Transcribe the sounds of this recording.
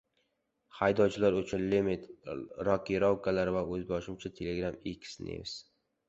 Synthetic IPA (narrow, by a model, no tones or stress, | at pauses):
hajd̪ɒwt͡ʃʰɪlaɾɵt͡ʃʰʊnlimit̪ɾɒkʲiɾɒwkalaɾvaɵzbɒʃɪmt͡ʃʰat̪ʰeleɡɾamekʲʰsnḛvs